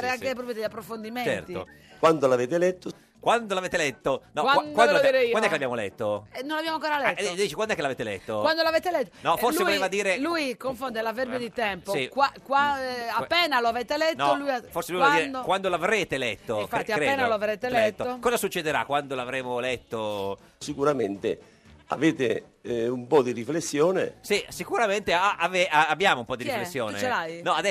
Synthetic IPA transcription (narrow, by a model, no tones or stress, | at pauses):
ɾeaŋkep̬ɾɔpjod̪eʎːapːɾofond̪imet͡ʃnɛ̰rt̪io̰ | kwand̪olaveːt̪elɛt̪ːo | kwand̪olaveːt̪elɛt̪ːonɔawakwnɾeiːanɛkelabjamolɛ̰t̪ːoɛnːonlavbjamoaŋkɔːɾalɛt̪d̪iːt͡ʃikwand̪oɛkːelaveːt̪elɛ̰t̪ːowand̪olavɛt̪elɛt̪ːonɔforsevolevad̪iːɾelujkoɱfond̪elaveɾbjod̪it̪ɛmposikwakwaapːɛːnaloaveːt̪elɛtnɔːolujaforselujvad̪iːɾekwand̪olavɾeːt̪elɛt̪ːoĩɱfat̪ːiɾeːeːnaloavɾeːt̪elɛɛt̪ːookɔːzasut͡ʃːed̪eɾa̰kːwand̪olavɾeːmolɛt̪ːo | sikuɾament̪ḛ | a̰veːt̪e | umpɔd̪iriflesːjɔːnḛsisikuɾament̪eaʔaveaabːjaːmoumpɔd̪iiflessːjoːneelajnɔad̪ɛ